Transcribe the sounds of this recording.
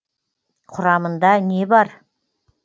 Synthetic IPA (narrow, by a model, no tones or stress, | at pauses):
qʰʊɾɑmənd̪ɑne̞bɑɾ